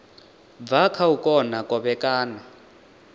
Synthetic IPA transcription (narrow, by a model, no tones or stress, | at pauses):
b̪vakʰaukʼɔnakʼɔɓɛkʼaːna